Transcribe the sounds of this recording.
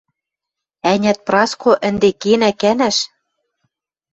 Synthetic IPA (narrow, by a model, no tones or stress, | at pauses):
ænʲæt̪̚prɑskʰoʔɘ̆nd̪ekenækænæʃ